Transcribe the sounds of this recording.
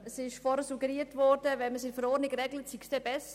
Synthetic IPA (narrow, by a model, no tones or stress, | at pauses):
əsɪʃfɔɾəsuɡəɾiːtvɔɾd̥əvɛnməsɪfəɾɔːɾnɪɡɾɛɡlətsiksd̥ɛbɛs